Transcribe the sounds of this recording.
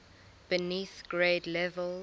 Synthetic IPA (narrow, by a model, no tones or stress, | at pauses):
b̥əniθɡ̥ɹeːdlɛvəl